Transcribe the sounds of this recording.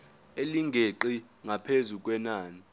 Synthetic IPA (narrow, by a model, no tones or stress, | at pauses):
eliŋɡʱeǃi | ŋapʰezuk̬ʼwɛnaːni